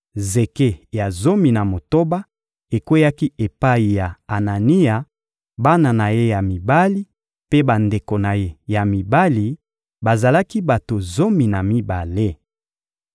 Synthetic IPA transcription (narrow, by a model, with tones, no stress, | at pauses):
ze˨ke˦ja˨zo˦mi˨na˨mo˨to˦ba˦ | e˨kwe˦ja˦ki˦e˨pa˦i˨ja˨a˨na˨ni˦ja˨ | ba˦na˨na˨je˦ja˨mi˨ba˦li˦ | pe˦ba˨nde˨ko˨na˨je˦ja˨mi˨ba˦li˨ | ba˨za˨la˦ki˦ba˨to˨zo˦mi˨na˨mi˦ba˨le˦